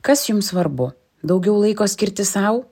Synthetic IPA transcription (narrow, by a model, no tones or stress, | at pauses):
kɐsjʊmsʋɐɾbʊ | d̪ɒʊɡʲɛʊlˠɐɪkoːsʲkʲɪɾʲt̪ʲɪsɐʊ